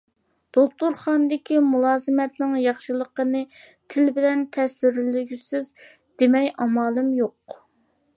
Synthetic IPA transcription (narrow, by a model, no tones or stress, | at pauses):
d̪̥oχt̪uɾχɑnd̪ɪkʲimulˠɑːzɨmɛt̪nɪŋjɑχʃɨlˠəqənɨt̪ʰɪlbɪlɛnt̪ʰɛsɪɾlyɡʲysɪz | d̪emɛjʔɑmɑːlˠɨmjoq